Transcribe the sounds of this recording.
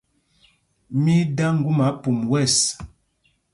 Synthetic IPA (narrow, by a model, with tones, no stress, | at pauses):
mi˦da˦ŋ̩˦ɡu˦ma˨˦pu˨mwɛ˦˨s